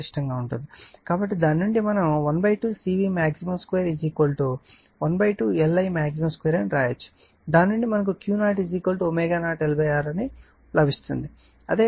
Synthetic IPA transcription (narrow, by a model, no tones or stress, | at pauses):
iʂʈɐŋɡaːuɳʈund̪ikaːbɐʈːid̪aːnːuɳɖimɐnɐmʋɐnbɐjʈuːsiːʋiːmaːksimɐmskʋeːɾid͡ʒiːkʋɐlʈo | ʋɐnbɐjʈuːɛlːɐjmaːksimɐmskʋeːɾɐnɾaːjɐt͡ʃːu̥ | d̪aːnːuɳɖimɐnɐk̬ukjuːnaːʈid͡ʒiːkʋɐlʈoomɛːɡaːnaːʈelɐbɐjaːɾɐni | lɐbʱist̪ṵnd̪i | ɐ̰d̪eː